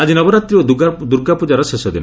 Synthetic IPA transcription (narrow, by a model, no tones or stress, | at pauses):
ad͡ʒinɔbɔɾat̪ɾiod̪uɡad̪uɾɡapud͡ʒaɾɔsesɔd̪ina